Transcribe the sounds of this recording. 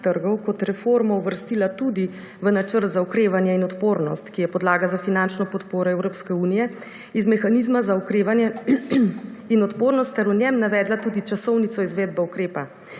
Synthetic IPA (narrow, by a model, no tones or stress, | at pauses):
t̪əɾɡɔwkɔt̪ɾɛfoːɾmɔuʋəɾst̪ilat̪ud̪i | ʋənat͡ʃəɾt̪zaukɾeːʋanjɛinɔt̪poːɾnɔst̪kijɛpɔd̪laːɡazafinant͡ʃnɔpɔt̪poːɾɔɛwɾoːpskɛuːnijɛ | izmɛxanizmazaukɾeʋanjɛ | inɔt̪poːɾnɔst̪ːɛɾunjɛmnaʋɛːd̪lat̪ud̪it͡ʃasɔwnit̪sɔizʋeːd̪̚bɛukɾeːpa